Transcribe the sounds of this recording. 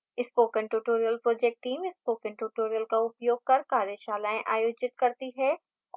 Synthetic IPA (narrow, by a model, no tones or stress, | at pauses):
ɪspoːkə̃ɳʈuːʈoːɾijəlpɾoːd͡ʒɛːk̚ʈʈːiːmɪspoːkə̃ɳʈuːʈoːɾijəlkaʊpjoːɡ̚kɐɾkaːɾjəʃaːlaːẽʔaːjoːd͡ʒɪt̪̚kɐɾt̪iɦɛ